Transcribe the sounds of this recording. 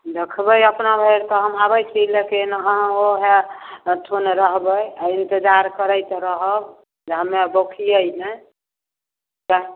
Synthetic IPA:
d̪ekʰbəjəpnabʱeɾt̪ɔɦəmɦabəjt͡ʃʰilekenɦə̃oɦet̪ʰonɾəɦbəjaint̪ed͡ʒaɾkəɾəjt̪ɾəɦəb | d͡ʒeɦəmebokʰijəjnɛ | ka

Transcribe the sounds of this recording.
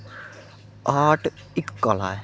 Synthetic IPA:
aːʈʰ | ikːɔla̰

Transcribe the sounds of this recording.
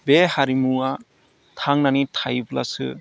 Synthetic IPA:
behaɾimuwa | tʰaŋnanitʰajbla̰sɯ̰

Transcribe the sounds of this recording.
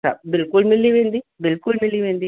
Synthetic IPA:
sa̰bɪlkʊlmɪlːiʋeːnd̪ibɪlkʊlmilːiʋeːnd̪i

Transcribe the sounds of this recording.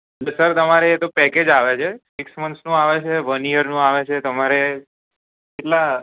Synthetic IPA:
ləsəɾt̪əmaɾeet̪opɛked͡ʒaʋet͡ʃʰesiksmənsnũaʋet͡ʃʰeʋənijəɾnũaʋet͡ʃʰet̪əmaɾe | keʈla

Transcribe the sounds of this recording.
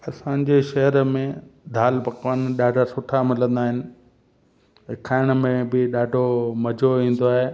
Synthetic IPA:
ɐsãɲ̆d͡ʑeʃɐɦəɾmẽd̪ʱaːlpɐkʋənɗaːɖʱasʊʈʰamɪlə̃nd̪aːɦɪnɪ̆ | ɦɪkʰaːɪɽ̃mẽbɪɗaːɖʱomɐd͡ʑʱoʋĩːn̆d̪oaːɦeː

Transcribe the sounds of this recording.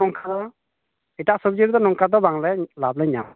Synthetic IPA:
ɔŋkʰad̪ɔ | itaʔsubd͡ʒiɾd̪ɔnɔŋkad̪ɔbaŋlɛlablɛɲa̰m

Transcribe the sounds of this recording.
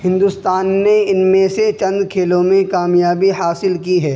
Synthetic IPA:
hɪ̃nd̪ust̪aːnːeɪnmẽset͡ʃɐ̃nd̪kʰeːlõmẽkaːmjaːbiɦaːsɪlkiɦɛː

